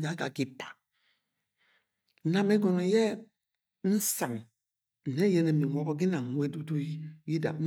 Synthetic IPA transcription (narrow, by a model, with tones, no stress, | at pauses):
d͡ʒa˨˦ɡa˨ɡi˦pḁ˨˦ | na˨mɛ˦ɡɔ˨nɔ˨jɛ˦ | n̩˦sa˨ŋ | n̩˨ne˦jɛ˦ne˨mi˨ɔ˦ɡɔ˦ɡi˦na˨we˦du˦do˦i˦ji˦da̰˨